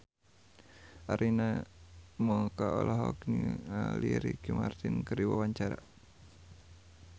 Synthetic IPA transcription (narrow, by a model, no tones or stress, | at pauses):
aɾʔina | mɔŋkaɔlʔɔɦɔknialiɾikimart̪inkɨrdiwawaɲt͡ʃaɾa